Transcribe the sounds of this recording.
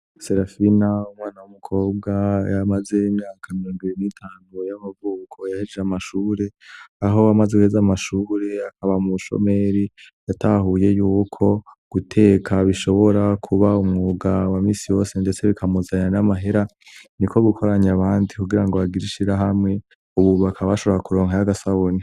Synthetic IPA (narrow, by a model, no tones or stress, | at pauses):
seɾafinaumŋaːnawumukʰo̞ːb̚ɡajamaze̞imɲaːkʰamiɾoːŋɡiβiɾinitʰaːnujamavuːkʰo̞jahid͡ʒeamaʃuːɾe̞aɦo̞amazewhezamaʃuːɾe̞akaβamuʃo̰me̞ɾijatahuje̞juːkʰo̞ɡ̥utʰe̞ːkʰaβiʃo̞βo̞ɾakʰuβaumŋuːɡawamiːsijo̞ːse̞nde̞t͡se̞βikʰamuzaɲanamaɦe̞ɾa | nikʰo̞ɡukʰo̞ɾaɲaβaːndikuɡiɾaŋɡoβaɡiɾiʃiɾaɦamŋe̞ | uβuβakʰaβaʃo̞βo̞ɾakuɾoːŋhajaɡasaβoni